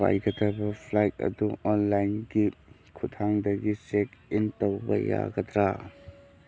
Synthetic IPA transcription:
a̰jɡɐdɐbɐpʰlajt̚ɐ̰duɔnlajnɡi | kʰutʰaŋdɐɡisek̚intowbɐ̰ja̰ɡɐd̪ɾa

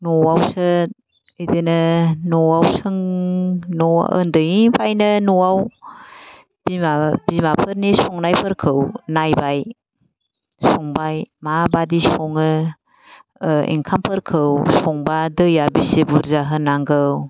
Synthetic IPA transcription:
nɔwawsɯ | ɯjdɯnɯnɔwawsɯŋ | nɔ̰ə̰ndɯjiŋpʰajnɯnɔwaw | b̥imab̥imapʰɯɾnisɔŋnajpʰɯɾkʰɯwnajbaj | sɔŋbajmabadisɔŋɯ | ḭŋkʰampʰɯɾkʰɯwsɔŋbadɯjabisebuɾzaɦɯnaŋɡɯw

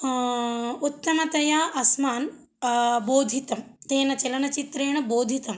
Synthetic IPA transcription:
ut̪ːɐmɐt̪ɐjaːʔɐsmaːn | boːd̪ʱit̪ɐmt̪eːnɐt͡ʃelɐnɐt͡ʃit̪ɾeːɳɐboːd̪ʱit̪ɐm

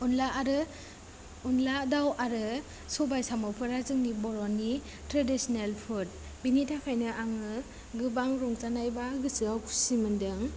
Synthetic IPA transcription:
unlaɾɯ | unladawaɾɯ | sɔbajsamɔpʰɯɾazɯŋnibɔɾɔnːi | tɾadisnelpʰut̚ | binitʰakʰajnɯʔaŋɯ | ɡɯbaŋɾɔŋt͡ʃanajbaɡɯsɯawkʰu̥simɯndɯŋ

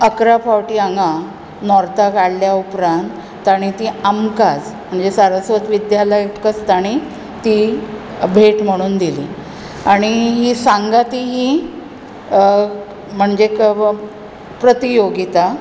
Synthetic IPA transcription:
əkɾapʰawʈiaŋɡa | nɔɾt̪akaɽljaupɾant̪ːaɽ̃it̪iːamkad͡zm̤əɳd͡zesaɾəsʋət̪ʋid̪jaləjekəst̪aɽ̃i | t̪i | bʱeʈm̤əɽ̃uːnd̪ilḭ | aɽ̃iɦiːsãŋɡat̪iɦi | m̤əɳd͡zek | pɾət̪ijoɡit̪a

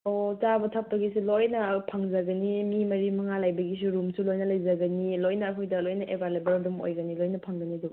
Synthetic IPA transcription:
ot͡ʃabɐtʰap̚tɐɡisilojnɐpʰaŋzɐɡɐnimimɐɾimɐŋalajbɐɡis̬uɾumsulojnɐlɐjzɐɡɐnilojnɐːkʰojdɐlojnɐʔebʱalebɐɾdumo̰jɡɐnilojnɐpʰaŋɡɐniduɡ

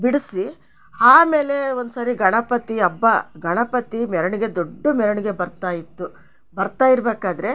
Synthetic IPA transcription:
biɽɐsi | aːme̞ːle̞o̞nd̪usaːɾiɡɐɳɐpɐt̪iɐbːɐɡɐɳɐpɐt̪imɛɾɐɳiɡe̞d̪oɖːumɛɾɐɳiɡe̞bɐɾt̪aːjit̪ːu | bɐɾt̪aːjiɾbeːkaːd̪ɐɾe̞

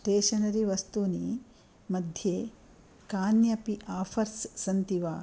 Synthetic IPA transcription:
ʈeːʃɐnɐɾiʋɐst̪uni | mɐd̪ʱjeː | kaːnjɐpiʔaːfʰɐɾsːɐnt̪iʋaː

